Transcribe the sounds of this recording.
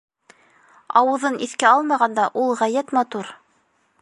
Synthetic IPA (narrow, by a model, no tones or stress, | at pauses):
ɑwɤ̆ðɤnʔiθkæɑlˠmɑʁɑnd̪ɑʔulˠʁæjæt̪mɑt̪uɾ